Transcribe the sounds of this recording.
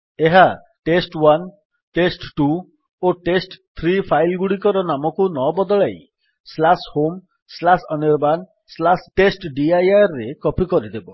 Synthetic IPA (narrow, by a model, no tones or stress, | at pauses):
eɦa | ʈesʈwan | ʈesʈʈu | oʈesʈt̪ʰɾipʰajlɡuɽikɔɾɔnamɔkunɔbɔd̪ɔɭaj | slashom | slasɔniɾban | slasʈesʈɖiajaɾːekɔpikɔɾid̪ebɔ